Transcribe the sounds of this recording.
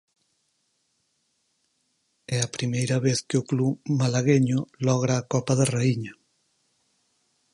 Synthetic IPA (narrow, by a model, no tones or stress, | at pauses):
ɛɐpɾimejɾɐβeθkeʊklumalaɣeɲʊlɔɣ̞ɾaːkɔpɐðareiɲɐ